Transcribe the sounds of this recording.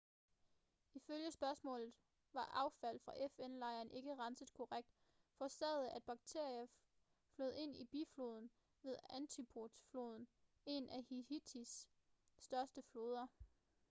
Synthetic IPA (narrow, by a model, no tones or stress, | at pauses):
iføljəsb̥ɶɐsmɔ̰̽ːlð̩ˠ | ʋɑ̈ʔɑ̈ʊfæl̰fʁɑ̈ʔefenlɑ̈ɪ̰ɐːne̝ɡ̥əʁɑ̈nsəð̩ˠkʰo̝ʁaɡ̥̚d̥ | fɒ̽sɛ̰ðˠæd̥̚b̥ɑ̈ɡ̥̚t͡sʰe̝ɐ̰iɐ | flɔð̩̰ˠe̝n̰ib̥ḭflo̝ːð̞ˠn̩ | ʋe̝ðˠænt͡sʰipʰod̥flo̝ːð̞ˠn̩ | e̝nʔæhihit͡sʰisː | d̥ɶɐsd̥əflo̝ːð̞ˠɐ